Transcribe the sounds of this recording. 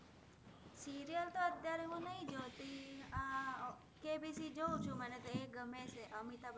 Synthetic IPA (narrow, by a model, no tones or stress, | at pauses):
siɾijəlt̪oəd̪ʱjaɾemũnəɦĩd͡ʒot̪i | kebisid͡ʒowt͡ʃʰumanet̪oeɡəmet͡ʃʰeʔəmit̪ab